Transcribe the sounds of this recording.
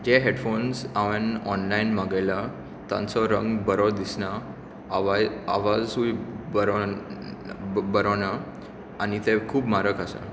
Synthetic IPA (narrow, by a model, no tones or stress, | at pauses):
d͡ʑeɦeɽfonsaʋənɔnlainmaɡəjla | t̪ã̰nt͡sɔɾə̃ŋɡbəɾɔd̪isna | a̰ʋad͡zsuibəɾ | bəɾɔna | anit̪ekʰuːpmaɾəkasa̰